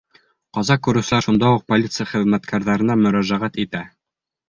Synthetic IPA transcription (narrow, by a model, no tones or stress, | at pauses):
qɑzɑkʉɾɘ̆wsɘ̆læɾʃund̪ɑuq̚polʲit̪sɨjaχɘ̆ðmæt̪kʰæɾðɑɾɤ̆nɑmɵ̆ɾæʒæʁæt̪it̪æ